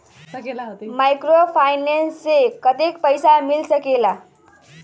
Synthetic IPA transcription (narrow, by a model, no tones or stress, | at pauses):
majkɾofajnenst͡sekət̪ik̚pəjsamilsəkela